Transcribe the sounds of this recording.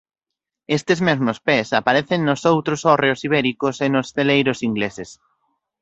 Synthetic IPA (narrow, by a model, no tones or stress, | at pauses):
est̪ɪzmezmospesapaɾeθeŋnosowt̪ɾosɔreosiβ̞ɛɾikʊsenosθelejɾosiŋɡleses